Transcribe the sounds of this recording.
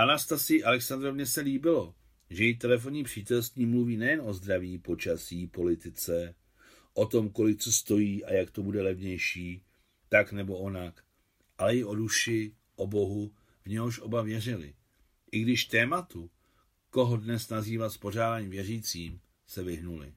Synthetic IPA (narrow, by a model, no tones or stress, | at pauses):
ʔanast̪asɪjɪʔalɛksand̪ɾo̞vɲɛsɛliːbɪlo̞ | ʒɛjɪt̪ɛlɛf̬o̞ɲiːpr̝̥iːt̪ɛlst̪ɲiːmluviːnɛjɛnʔo̞zd̪ɾaviːpo̞t͡ʃasiːpo̞lɪt̪ɪt͡sɛ | ʔo̞t̪o̞mko̞lɪk̚t͡so̞st̪o̞jiːʔajakt̪o̞budɛlɛvɲɛjʃiː | t̪aknɛbo̞ʔonak | ʔalɛɪʔo̞duʃɪ | ʔo̞bo̞ɦu | vɲɛɦoʃʔo̞bavjɛr̝ɪlɪ̰ | ʔɪɡdɪʃt̪ɛːmat̪u | ko̞ɦo̞dnɛsnaziːvat̪spo̞r̝aːdaːɲiːmvjɛr̝iːt͡siːm | sɛvɪɦnulɪ̰